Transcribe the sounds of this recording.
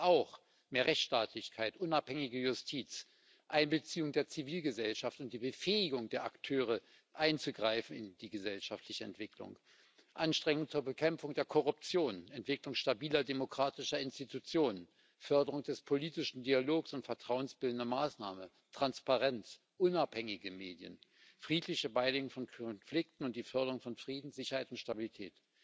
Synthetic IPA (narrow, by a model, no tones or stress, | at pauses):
ʔaʊx | meːɐʁɛçtʃtaːtʰlɪçkʰaɪtʔʊnaphɛŋɪɡəjʊstʰiːt͡s | ʔaɪnbət͡siːʊŋdeːɐt͡siviːlɡəzɛlʃaftʊnt̚d̥iːbəfɛːɪɡʊŋdeːɐʔa̰ktʰøːʁ̞ə | ʔaɪnt͡suɡʁaɪfn̩ɪ̰ndiːɡəzɛlʃaftʰlɪçəɛ̰ntv̥ɪklʊ̰ŋ | ʔanʃtʁ̥ɛŋʊŋt͡suːɐbəkʰɛmfʊŋdeːɐkʰɔʁʊp̚t͡sjoːnɛntv̥ɪklʊŋʃtabiːlɐdemokʁ̥aːtɪʃɐɪnstitut͡sjoːnən | fœɐdəʁ̞ʊŋd̥ɛspʰoliːtɪʃn̩dialoːksʊntfɛɐtʁ̥aʊənsb̥ɪldn̩dɐmaːsnaːmə | tʁ̥anspaʁɛnt͡s | ʔʊnaphɛŋɪɡəmeːdjə̰n | fʁ̥iːtʰlɪçəbaɪleːɡʊŋfɔnkʰɔnflɪk̚tn̩ʊntd̥iːfœɐɾəʁʊŋfɔnfʁ̥iːdn̩z̥ɪçɐhaɪtʊntʃtabilitʰɛ̰ːt